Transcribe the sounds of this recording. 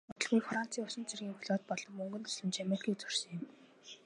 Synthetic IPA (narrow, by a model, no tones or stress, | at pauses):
ʊt̪ɞ̆ɮɣujfran̥t͡sʰiːŋʊsɪ̆nt͡sirɣʲiːŋxuɮoːt̪̚pɔɮɞ̆mːɵŋɡɵ̆nt̪ɵ̥sɮɘ̆mt͡ɕamerʲkʰiːkt͡sɵr̥sɘ̆ŋɪ̆m